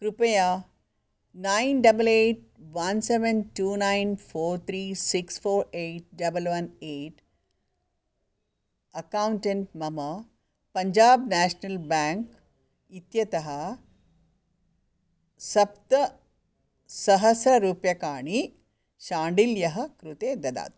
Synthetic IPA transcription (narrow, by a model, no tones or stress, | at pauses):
kɾupɐjaː | nainɖɐbɐleːʈ̚ | ʋɐnseʋenʈuːnainfʰoːɾt̪ʰɾiːsiksfoːɾeːʈ̚ɖɐbəlʋɐneːʈ | ɐkawuɳʈeɳʈmɐmɐ | pɐɲd͡ʒaːbnæːʃnɐlbæːŋk | it̪jɐt̪ɐɦɐ | sɐpt̪ɐ | sɐɦɐsɾɐɾuːpjɐkaːɳ̃i | ʃaːɳɖiljɐɦɐkɾut̪eːd̪ɐd̪a̰ːt̪̚